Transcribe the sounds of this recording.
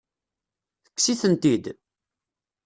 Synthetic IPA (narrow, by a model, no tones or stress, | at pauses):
θə̥kːsiθənt̪id̪